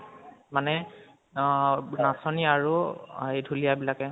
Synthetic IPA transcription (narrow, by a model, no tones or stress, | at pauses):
manɛ | nasɔniaɹuejdʱulijabilakɛ